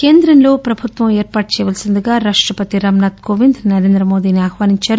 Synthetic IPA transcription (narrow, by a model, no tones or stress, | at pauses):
keːnd̪ɾɐnlo̞ːpɾɐbʱut̪ʋɐmeːɾpaːʈ̚t͡ʃɛːjʋɐːlsind̪uɡaːɾaːʂʈɾɐpɐt̪iɾaːmnaːt̪koːʋind̪nɐɾeːnd̪ɾɐmoːd̪iːniaːhʋaːniɲt͡ʃaːɾu